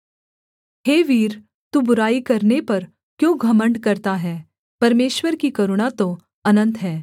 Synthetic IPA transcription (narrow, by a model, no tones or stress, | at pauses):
ɦeːʋiːɾ | t̪ubʊɾaːikɐɾnepɐɾ | kjõːɡʱɐməɳɖkɐɾt̪aɦɛː | pɐɾmeːʃwəɾkikɐɾʊɽ̃at̪o | ɐnə̃nt̪ɦɛː